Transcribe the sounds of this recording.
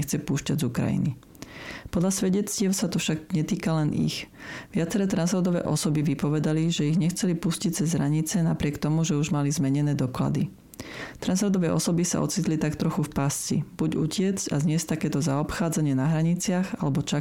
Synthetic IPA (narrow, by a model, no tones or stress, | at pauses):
xt͡sɛpuːʃcaɟzukɾa̰jḭni | pɔd̪ʎasʋɛɟɛt͡scɪɛʊsat̪ɔfʃaɡɲɛt̪iːkalɛnḭxʋɪat͡sɛɾɛːt̪ɾanzɔɾd̪ɔʋɛ̰ːʔɔ̰sɔbiʋipɔʋɛd̪aliʒɛiɣɲɛxt͡sɛlipuscic̚t͡sɛzɦɾaɲit͡sɛnapɾɪɛkt̪ɔmuʒɛuʒmalizmɛɲɛnɛːd̪ɔkla̰d̪i | t̪ɾanzɾɔɾd̪ɔʋɛʔɔsɔbisa̰ɔ̰t͡siːt̪lit̪akt̪ɾɔxufpast͡sḭb̥uɟucɪɛt͡scazɲɪɛsct̪akɛːt̪ɔzaɔpxaːd͡zaɲɪɛnaɦɾaɲit͡sɪaɣa̰lɛbɔt͡ʃa